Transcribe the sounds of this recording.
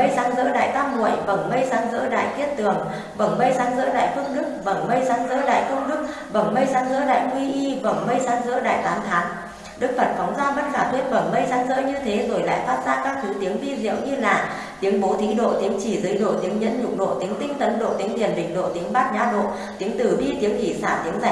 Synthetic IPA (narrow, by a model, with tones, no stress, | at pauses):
ə˧jsaː˨˦ŋzə̰˧˥ɗa̰ː˧˨jt̪aː˧mmṵ˧˩əjvə˧˩ŋ͡mmə˧jsaː˨˦ŋzə̰ː˧˥ɗa̰ː˧˨jt̪i˦˥ət̚t̪ɨ˨˩əŋ | və˧˩ŋ͡mmə˧jsaː˨˦ŋzə̰˧˥ɗa̰ː˧˨jfɨ˧əŋɗɨ˦˥k̚və˧˩ŋ͡mmə˧jsaː˨˦ŋzə̰ː˧˥ɗa̰ː˧˨jfɨ˧əŋɗɨ˦˥k̚ | və˧˩ŋ͡mmə˧jsaː˨˦ŋzə̰ː˧˥ɗa̰ː˧˨jŋwi˧ʔi˧və˧˩ŋ͡mmə˧jsaː˨˦ŋzə̰ː˧˥ɗa̰ː˧˨˩jt̪aː˨˦nt̪ʰaː˨˦n | ɗɨ˦˥k̚fə˨˩t̚fɔ˨˦wŋ͡mzaː˧və˧nkaː˧˩t̪ʰwe˧nvə˧˩ŋ͡mmə˧jsaː˨˦nzə̰ː˧˥ɲɨ˧t̪ʰe˨˦zo˧˩jla̰ː˧˨jfaː˦˥t̚zaː˧˥kaː˦˥k̚t̪ʰu˨˦t̪i˨˦əŋvi˧zḭ˧˥əwɲɨ˧laː˨˩ | t̪i˨˦əŋɓo˨˦t̪ʰi˨˦ɗo̰˧˨t̪i˨˦əŋt͡ɕi˧˩zɨ˨˦jɗo̰˧˨t̪i˨˦əŋɲə̰˧˥nɲʊ̰˨˧˩ŋ͡m̚ɗo̰˧˨t̪i˨˦əŋt̪ï˧ŋ̟t̪ə˨˦nɗo̰˧˨t̪i˨˦əŋli˨˩ənɓï˧˩ŋ̟ɗo̰˧˨t̪i˨˦əŋɓaː˦˥t̚ɲaː˨˧˥ɗo̰˧˨ | t̪i˨˦əŋt̪ɨ˧˩ɓi˧t̪i˨˦əŋʔi˧˩saː˧˩t̪i˨˦əŋza˧˩